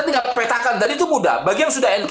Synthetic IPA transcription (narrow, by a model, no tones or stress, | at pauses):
ant̪iŋɡapɛt̪akandadit̪̬umuda̰baɡiaŋsudahɛnk